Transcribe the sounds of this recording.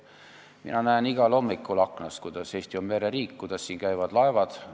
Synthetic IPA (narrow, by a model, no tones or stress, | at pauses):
mḭnɑnæeniɡ̥ɑlo̞mːikːˑulɑkːnɑskujd̪̥ɑseːst̪iomːeɾeɾiːkkujd̪̥ɑsːiːnkæjvɑd̪̥lɑevɑd̪̥